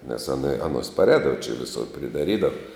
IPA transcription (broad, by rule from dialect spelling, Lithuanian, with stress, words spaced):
nʲɛs ɐˈnɐ ɐˈnoːs pɐˈrʲɛːdɐʋɐ t͡ʃʲɛ ʋʲɪˈsʊr pʲrʲɪdɐˈrʲiːdɐw